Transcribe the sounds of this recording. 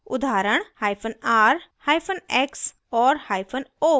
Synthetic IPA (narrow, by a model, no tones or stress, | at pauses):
ʊd̪ʱaːɾəɳ̃haːjpʰonaːɾhaːjpʰonɛks | ɔːɾhajpʰono